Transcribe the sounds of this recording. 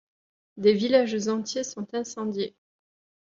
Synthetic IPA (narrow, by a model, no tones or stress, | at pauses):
d̪evilaʒzɑ̃t̪jesɔ̃t̪ɛ̃sɑ̃d̪je